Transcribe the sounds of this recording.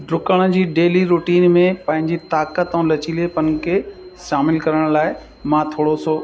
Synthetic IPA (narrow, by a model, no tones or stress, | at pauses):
ɖɾʊkəɽ̃̆d͡ʑiːɖeːliɾuːʈiːnmẽpɐ̃ɦɪ̃ɲd͡ʑit̪aːkət̪ɐũlɐt͡ɕilepɐnkʰeʃaːmɪlkɐɾəɽ̃laːɪ | mãːt̪ʰoːɽosoː